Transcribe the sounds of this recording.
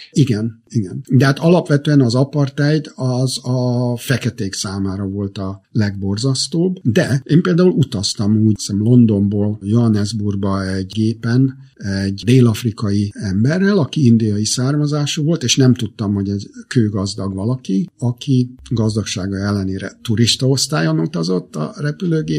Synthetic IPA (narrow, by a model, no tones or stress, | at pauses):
iɡɛniɡɛnd̪ɛɦaːt̪ɒlɒpʋɛt̪øɛnɒzɒpɒrt̪ɛjd̪ɒzɒfɛkɛt̪eːksaːmaːɾɒvo̞lt̪ɒlɛɡ̚bo̞rzɒst̪oːbd̪ɛeːmpeːld̪aːulut̪ɒst̪ɒmuːsɛmlo̞nd̪o̞mboːljoɦɒnɛzburɡbɒɛɟɡeːpɛn | ɛɟd̪eːlɒfrikɒjiɛmbɛrːɛlɒkiind̪ijɒjisaːrmɒzaːʃuvo̞lt̪eːʃnɛmt̪ut̪ːɒmho̞ɟɛzkøːɡɒzd̪ɒɡʋɒlɒkiɒkiɡɒzd̪ɒkʃaːɡɒɛlːɛneːɾɛ̰t̪uɾiʃt̪ɒo̞st̪aːjonut̪ɒzo̞t̪ːɒ̰rɛpyløːɡeː